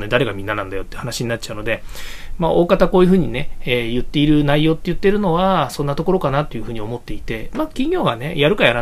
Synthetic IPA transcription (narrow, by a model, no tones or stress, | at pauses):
ned̪aɾe̞ɡamʲĩnːanãnd̪ajo̞t̪eiɯ̟hanaɕiɲ̟inat̚t͡ɕaɯ̟no̞d̪e̞maʔo̞ːkat̪ako̞ːjɯ̟ɸɯ̟ːɲ̟ine̞ejɯ̟t̪ːe̞iɾɯ̟naijo̞ːt̪ːe̞jɯ̟t̪ːe̞ɾɯ̟no̞βasõ̞nːat̪o̞ko̞ɾo̞kanat̪ːo̞jɯ̟ɸɯ̟ːɲ̟io̞mo̞t̪ːe̞it̪e̞makʲĩŋɡʲjʲo̞ːɡane̞jaɾɯ̟kajaɾa